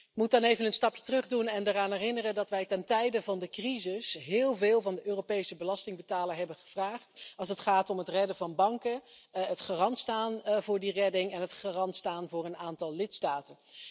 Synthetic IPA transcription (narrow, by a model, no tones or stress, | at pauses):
mutɑnejvənənstɑpjə̥trɵχdunɛndaraːnɦɛrɪnərəndɑtʋɛjtɛntɛjdəvɑndəkrizɪsɦɪːlˠvɪːlˠvɑndəʔøːrowpejsəbəlɑstɪŋbətaːləɹɦɛbənχəv̥raːχtɑlˠsətχaːtɔmətrɛdəvɑnbɑŋkəɦətχarɑntstaːnvʊːɹdirɛdɪŋɛnɦətχarɑntstaːnvʊːɹənaːntɑlˠlɪtstaːtən